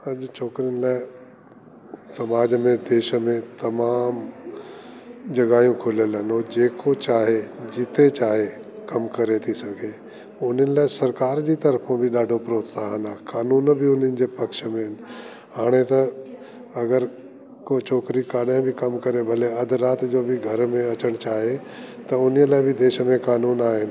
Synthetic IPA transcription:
ɐd͡ʒt͡ʃʰoːkɾiənɪlaːɪ | sɐmaːd͡ʒmẽd̪eːʃəmẽt̪ɐmaːm | d͡ʒɐɡaːjũkʰʊlələnoːd͡ʑeːkʰot͡ʃaːɦed͡ʑɪt̪ʰet͡ʃaːɦekɐmkɐɾet̪ʰisɐɡʰʱe | ʊn̤ənɪ̆laːɪsɐɾkaːɾd͡ʑit̪ɐɾpʰõbʱiɗaːɖʱopɾoːt̪saːɦənaːkaːnuːnbʱiʊnənɪ̆d͡ʑeːpɐkʃəmẽɦɪn | ɦaːɽ̃et̪ɐ | ɐɡəɾ | kot͡ʃʰoːkɾikaːɗjãbʱɪkɐmkɐɾebʱɐleɐd̪ʱɾaːt̪d͡ʑoːbʱiɡʱɐɾmẽɐt͡ɕəɽ̃t͡ɕaːɦe | t̪ɐʊnijəlaːbʱɪd̪eːʃəmẽkaːnuːnaːɦɪnɪ

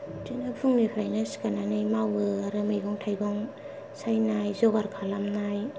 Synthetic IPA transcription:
tinapʰuŋnipʰɾajnasi̥kananɯjmawɯaɾɯmɯjɡɔŋtʰajɡɔŋ | sajnajzɔɡaɾkʰalamnaj

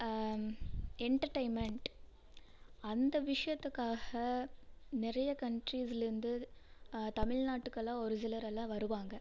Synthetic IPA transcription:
ɛɳʈɐɾʈɐɪnmɛɳʈ | ɐnd̪ɐʋɪʂɐjɐt̪ːɯkːaːɣɐ | nɪɾɐjɐkɐɳʈɾiːsɪlɪɾɯnd̪ɯ | t̪ɐmɪɻnaːʈːɯkːɐlãːɔɾɪsɪlɐɾɛlːãːʋɐɾɯʋaːŋɡɐ

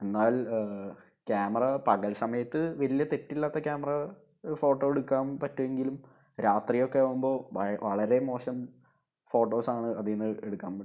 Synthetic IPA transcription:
e̞nːaːl | kʲaːmɐrɐpɐɣɐlsɐmɐjɐt̪ːɨʋɐlijɐt̪etːilːaːt̪ːɐkʲaːmɐrɐ | fo̞ːʈːo̞ːeɽukːaːmpɐtːueŋɡilum | ɾaːt̪rijo̞kːeaːumbo̞ːʋɐɭɐɾe̞mo̞ːɕɐm | fo̞ːʈːo̞ːsaːɳɨɐðinːɨeɽukːaːmpɐʈː

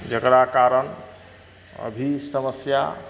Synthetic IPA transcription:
d͡ʒəkɾakaɾən | ə̰bʱisəməsja̰

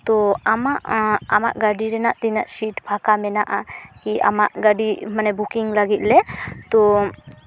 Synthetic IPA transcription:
t̪ɔamaʔama̰ʔɡaɖiɾɛnaʔt̪inaʔsiʈbʱakamɛnaʔakia̰maʔɡaɖimanɛbukiŋlaɡit̪̚ˀlɛt̪ɔ

